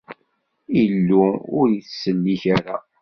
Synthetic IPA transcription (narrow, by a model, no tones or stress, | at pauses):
ilːuʊ̰ɾjiθsəlːiçaɾa